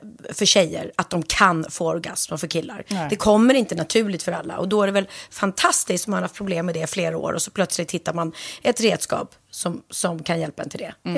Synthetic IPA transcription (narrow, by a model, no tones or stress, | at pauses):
fœɾɕɛjːə̰ɾat̪̚d̪ɔmkʰanfoːaɾɡa̰sməfœɾkʰɪlːa̰ɾd̪ɛkʰɔmːəɾɪnt̪ənat̪ʰʉ̟ːlɪɡ̚t̪fœɾalːa̰ʔɔ̰d̪ɔæɖɛvɛlfant̪ʰast̪ɪskt̪sɔmanɾhaft̪̚pʰɾʊbleːmːɛd̪ɛfleːɾao̰ːɾɔsɔpʰlœt̪slɪt̪hɪt̪ːaɾmanʔɛt̪ɾeːd̪skɑ̰ːp | sɔmsɔmkʰanjɛlpad̪ɛ̰nt̪ɪld̪ɛ